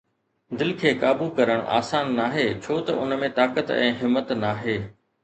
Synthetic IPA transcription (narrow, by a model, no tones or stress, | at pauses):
d̪ɪlkʰeːkaːbukɐɾəɽ̃ʔa̰ːsaːnːaːɦeːt͡ɕʰoːt̪ɐʔʊ̰nmẽt̪aːkət̪ɛ̰̃ːɦɪmːət̪naːɦeː